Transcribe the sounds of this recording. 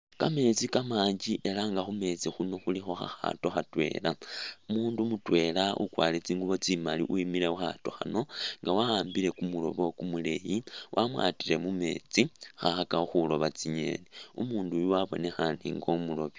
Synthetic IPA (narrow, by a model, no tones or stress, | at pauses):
kame̞t͡sikamaːɲd͡ʒiʔe̞laŋɡaxume̞t͡sixuno̞xulixo̞xa̰xa̰to̞xatwe̞̰ːlaumuːndumutwe̞ːlaʔṵkwaːlet͡siːŋɡuβo̞t͡simalḭʔuimile̞uxa̰to̞xa̰no̞ŋɡawahaːmbile̞kumulo̞̰βo̞kumule̞jiwʔamwa̰ːtiɾe̞mume̞ːt͡sixaxakaxulo̞βat͡siɲe̞̰neṵmuːndujuwaβo̞̰ne̞xanḭːŋɡo̞mulo̞βi